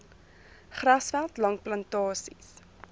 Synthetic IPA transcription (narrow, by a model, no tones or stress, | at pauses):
χrɐsfælˠtlɐŋplɐntɑːsis